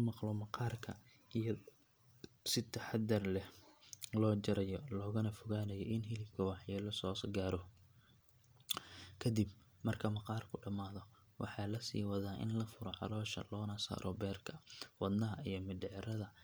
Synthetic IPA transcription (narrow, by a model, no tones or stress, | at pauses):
mɑqlɔmɑqɑːrkʰɐ̰ | ijɐ | sɪt̪ʰɐħɑd̪ɐrlɛhlɔːt͡ʃɐɾɐjɔlɔːɣɐnɐfʊɣaːnɐjɔʔɪnɦɪlɪb̚kʰɐwɑħjɛːlɔsɔːsɡaːɾɔ | kʰɐd̪ib | mɐrkʰɐmɐqɑːrkʰʊɖɐmaːðɔ | wɑ̰ħɑːlɐsḭːwɑðaːʔɪ̰nlɐfʊɾɔʕɑ̰lɔːʃɐ̰lɔːnɐsa̰ːɾʔɔbɛːrkʰɐwɑd̪nɐɦɐijɞmɪɖɛʕɾɐðɐ